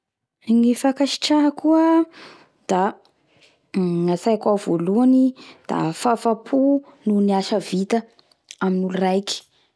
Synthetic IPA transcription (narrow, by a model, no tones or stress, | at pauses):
ŋifakaʃi̥ʈ͡ʂaɦakuə | d̪̥a | asajkʷav̥oluanid̪̥a̰fafapʰununiaʃəvit̪ə | aminulurajki̥